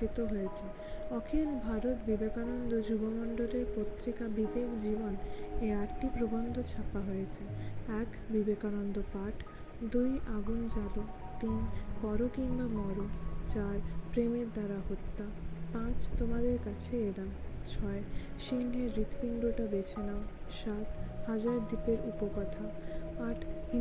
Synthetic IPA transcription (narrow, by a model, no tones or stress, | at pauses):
it̪oɦojet͡ɕʰe | ɔkʰelbʱaɾot̪bibekanond̪od͡ʑubomɔɳɖoleɾpot̪ːɾikabid̪ekd͡ʑiboneaɾʈipɾobond̪ʱot͡ɕʰapaɦojet͡ɕʰeɛkbibekanond̪opaʈʰ | d̪ujʔaɡund͡ʑabot̪inkɔɾokimbamɔɾut͡ɕaɾpɾemeɾd̪aɾaɦot̪ːa | pãt͡ɕt̪omad̪eɾkat͡ɕʰeedamt͡ɕʰɔeʃiŋɦeɾɾit̪ʰpiɳɖoʈabet͡ɕʰenaʃat̪had͡ʑaɾd̪ipeɾupokɔt̪ʰaaʈʰhi